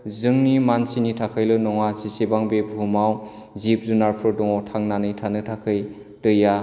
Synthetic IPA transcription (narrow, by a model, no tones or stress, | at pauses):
zɯŋnimansinitʰakʰɯjlɯnɔŋasisebaŋbebʱumaw | zip̚zunaɾpʰɯdɔŋɔtʰaŋnanɯjtʰanɯtʰakʰɯj | tɯja